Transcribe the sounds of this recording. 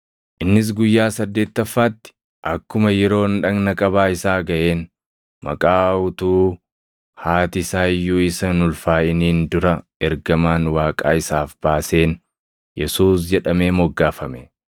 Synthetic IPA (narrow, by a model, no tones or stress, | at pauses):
ʔɪnːɪs̬ɡʊjːaːsɐd̪ːeːt̪ːɐfːaːt̪ːɪ̥ | ʔɐkːʊmɐjɛɾo̞ːnᶑɐɡnɐkʼɐbaːɪsaːɡɐʔe̞ːn | mɐ̰kʼaːʊt̪uː | haːt̪ɪsaːjːuːɪsɐnʊlfaːɪniːnd̪ʊɾɐ | ɛɾɡɐmaːnwaːkʼa̰ːɪsaːfb̥aːse̞ːn | jɛsuːs̬d͡ʒɛᶑɐme̞ːmɔɡːaːfɐmɛ